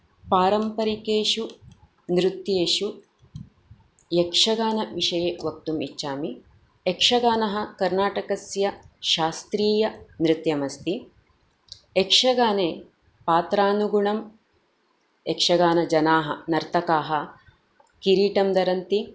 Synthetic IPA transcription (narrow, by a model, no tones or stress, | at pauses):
paːɾɐmpɐɾikeːʃu | nɾut̪jeːʃu | jekʂɐɡaːnɐʋiʂɐjeʋɐk̚t̪umḭt͡ʃːaːmi | ekʂɐɡaːnɐɦɐkɐɾnaːʈɐkɐsjɐʃaːst̪ɾiːjɐnɾɪt̪jɐmɐst̪i | ekʂɐɡaːneː | paːt̪ɾaːnuɡuɳɐm | ekʂɐɡaːnɐd͡ʒɐnaːɦɐ̰nɐɾt̪ɐkaːɦɐ | kiɾiːʈɐmd̪ɐɾɐnt̪i